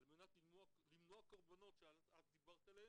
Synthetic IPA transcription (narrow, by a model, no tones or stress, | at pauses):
alme̞nat̪limoalimnoakoʁbano̞t̪ʃealazd̪ibaʁt̪alee